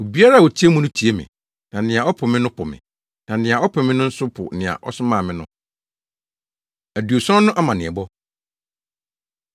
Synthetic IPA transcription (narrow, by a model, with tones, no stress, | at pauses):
o˨bi˦a˦ɾa˦˨wo˨tʰi˦e˦mʊ̃˨˦nʊ̃˦tʰi˨˦e˦mɪ̰̃˨ | nã˨nɪ̃˨a˨ɔ˦pʰʊ˨mɪ̃˦nʊ̃˦pʰʊ˨mɪ̰̃˨ | nã˨nɪ̃˨ã˨ɔ˦pʰʊ˨mɪ̃˦nʊ̃˦n̩˦sʊ˦pʰʊ̰˨nɪ̃˨ã̰˨ʔɔ̰˦sʊ˦mãː˦˨mɪ̃˦nʊ̰̃˦ | æ˨du˨o˨sɔ̃˦nʊ̃˦ʔa˦mã˨nɪ̃˨ɛ˨bɔ˦